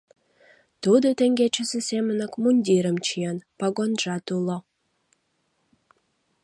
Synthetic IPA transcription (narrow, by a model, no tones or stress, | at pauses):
t̪ud̪ot̪eŋɡʲet͡ɕəsesemənəkmunʲdʲiɾəmt͡ʃijenpaɡonʒɑt̪ulo